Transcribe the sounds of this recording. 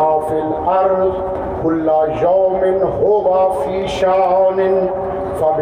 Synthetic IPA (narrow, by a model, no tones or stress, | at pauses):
afil | aɾz | kʊlːajaːmɪnɦʊwafiːʃaːnɪn | fɐb